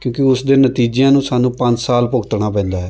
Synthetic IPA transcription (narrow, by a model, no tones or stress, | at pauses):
kjõːkɪʊsd̪eːnət̪iːd͡ʒjãːnũːsaːnũːpə̃ɲd͡ʒsaːlpʊɡt̪ɽaːp̬ɛ̃ːnd̪aːɦɛː